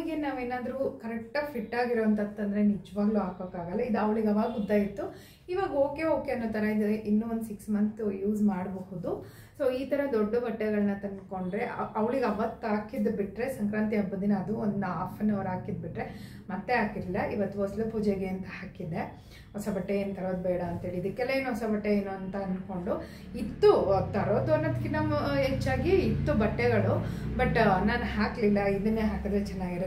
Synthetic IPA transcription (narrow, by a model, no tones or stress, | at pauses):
ɡenaːʋe̞ːnaːd̪ɐɾuːkɐɾɛk̚ʈɐpʰiʈːaːɡiɾoːʋɐnt̪ɐd̪t̪ːɐnd̪ɐɾe̞nid͡ʒɐʋaːɡluɦaːkokaːɡɐlːɐid̪uɐʋɭiɡɐʋaːɡud̪ːaːjit̪ːu | iːʋaːɡɐo̞ːke̞o̞ːkeɐnːoːt̪ɐɾɐid̪ɐɾeʔinːuond̪siksmɐnt̪juːzmaːɽɐbɐhud̪u | so̞ːiːt̪ɐɾɐd̪ɔɖːɐbɐʈːɛɡɐɭɐnɐt̪inko̞ɳɖɾe̞ʔʔɐʋɭiɡɐʋɐt̪ːaːkid̪biʈɾe̞sɐŋkɾaːnt̪iɦɐbːɐd̪inɐːd̪uond̪uaːpʰɐnːɐʋɾaːkid̪̚biʈɾe | mɐt̪ːeɦaːkiɾilːɐʔiʋɐt̪ːuɦɔslupuːd͡ʒeɡeɐnt̪ɐhaːkid̪e̞ | ɦɔsɐbɐʈːeeːnt̪ɐɾo̞ːd̪̚bɛːɽɐːnt̪ɦeːɭiːd̪ɨkːɛlɐeːnuɦɔsɐbɐʈːeeːnuɐnt̪ɐnko̞ɳɖu | it̪ːut̪ɐɾoːd̪uɐnːɐd̪kːinaːmɐɦet͡ʃːaːɡiːt̪ːubɐʈːɛɡɐɭubɐʈːnaːnuɦaːkilːɐid̪ɐnːeːɦaːkɐd̪ɾet͡ʃɛnːaːɡiɾ